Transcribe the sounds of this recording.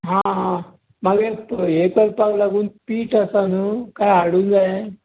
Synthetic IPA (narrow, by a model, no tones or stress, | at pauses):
ɦã | maɡepekɐlpaɡlaɡun̚piːʈasanukajaɽund̪a